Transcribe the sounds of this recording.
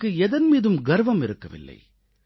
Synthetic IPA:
kːɯɛðɐnmiːðɯmɡɐɾʋɐmɪɾɯkːɐʋɪ̰lːɐ̰ɪ

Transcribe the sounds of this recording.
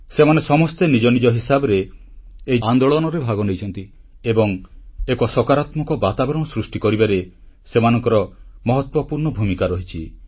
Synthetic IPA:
semanesɔmɔst̪enid͡ʒɔnid͡ʒɔɦisabɔɾeː | jand̪oɭɔnɔɾebʱaɡɔnejt͡ʃʰɔnt̪iebɔŋekɔsɔkaɾat̪mɔkɔbat̪abɾɔmɔsɾusʈikɔɾibaɾe | semanɔŋkɔɾɔmɔɦɔt̪wɔpuɾɳɔbʱumikaɾɔɦit͡ʃʰi

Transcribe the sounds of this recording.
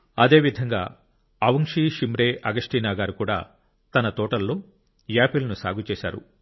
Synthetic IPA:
ɐd̪e̞ːʋid̪ʱɐŋɡa̰ː | ɐʋɐŋʂiːʃimɾeːʔɐɡɐʂʈiːnaːɡaːɾukuːɽa̰ː | t̪ɐnɐt̪ɔːʈɐlːoː | jaːpilɐnusa̰ːɡʱut͡ʃɛːʃa̰ːɾṵ

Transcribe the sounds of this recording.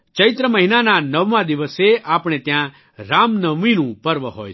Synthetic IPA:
t͡ʃəɪt̪ɾəməɦinananəʋmãd̪ɪʋəseʔaːpɽ̃et̪jã | ɾaːmnəʋʋinũpəɾʋəɦo̰ːj

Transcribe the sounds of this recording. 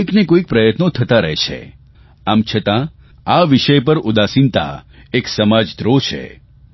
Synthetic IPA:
iknekoik̚pɾəjət̪not̪ʰət̪aɾəɦet͡ʃʰḛ | amt͡ʃʰət̪ã | aʋiʃəjpəɾud̪asint̪a̰eksəmad͡ʒd̪ɾot͡ʃʰḛ

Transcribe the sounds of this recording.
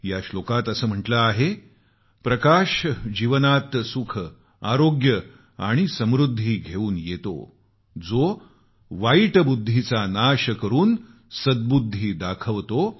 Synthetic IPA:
jaɕlokat̪əsəːm̤əʈləaɦe | pɾəkaɕd͡ʑiʋənat̪sukʰ | aɾoɡjə | a̰ɽ̃isəmɾud̪ʱːiːɡʱeuːnjet̪o̰ | d͡zo | ʋajʈbud̪ʱːit͡sanaɕəkəɾuːn | səd̪̚bud̪ʱːiːd̪akʰəʋt̪o

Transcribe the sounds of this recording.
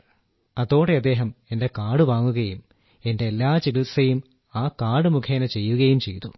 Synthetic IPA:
ɐðo̞ːɽeɐd̪ːe̞ːɦɐme̞nde̞kaːɽɨʋaːŋːuɣɐjum | e̞nde̞ːlːaːt͡ɕiɡisejum | aːkaːɽɨmukʰeːnɐt͡ɕejːuɣɐjumt͡ɕe̞̰jt̪u

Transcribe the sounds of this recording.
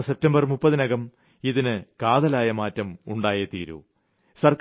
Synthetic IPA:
sep̚tɐmbɐrmupːɐðɨnɐɣɐm | iðinɨkaːðɐlaːjɐmaːtːɐmuɳɖaːjɐt̪iːɾṵ | sɐrk

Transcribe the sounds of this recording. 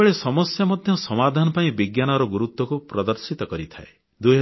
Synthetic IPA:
eɭesɔmɔsjamɔd̪ʱjɔsɔmad̪ʱanɔpaĩbiɡjanɔɾɔɡuɾut̪wɔkupɾɔd̪ɔɾsit̪ɔkɔɾit̪ʰa̰e | d̪uɦ

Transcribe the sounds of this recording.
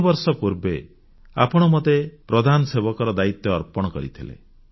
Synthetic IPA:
bɔɾsɔpuɾbe | a̰pɔɽ̃ɔmot̪epɾɔd̪ʱanɔsebɔkɔɾɔd̪ait̪ːɔːɾpɔɽ̃ɔkɔ̰ɾḭt̪ʰilḛ

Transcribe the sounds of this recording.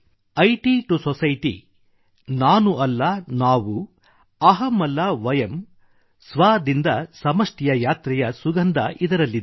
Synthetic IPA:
ɐjʈiʈusɔsɐjʈ̪ḭ | naːnuʔɐlːɐnaːʋu | ɐɦɐmɐlːaʋɐjɐm | sʋaːd̪ind̪ɐsɐmɐʂʈɛjɐjaːt̪ɾɛjɐsuɡɐnd̪ɐ̰ʔid̪ɐɾɐlːid̪e

